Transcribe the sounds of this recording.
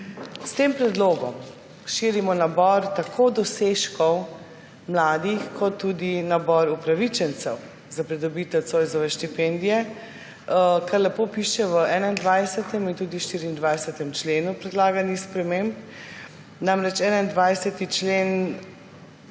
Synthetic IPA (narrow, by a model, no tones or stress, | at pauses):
st̪empɾɛd̪loːɡɔ̰m | ʃiɾimɔnabɔɾt̪akʰoːd̪ɔseʃkɔw | mlaːd̪ixkʰɔt̪ːuːd̪inabɔɾupɾaʋit͡ʃɛnt̪sɛw | zapɾid̪ɔbit̪ɛwsojzɔʋɛʃt̪ipɛnd̪ijɛ | kaɾlɛpoːpiʃɛʋəʔɛːnaind̪ʋajsɛt̪ɛmint̪uːd̪iʃt̪iːɾiːnd̪ʋajsɛt̪ɛmt͡ʃleːnupɾɛd̪laːɡanixspɾɛmẽmp | namɾɛt͡ʃɛːnaind̪ʋajsɛt̪it͡ʃleːn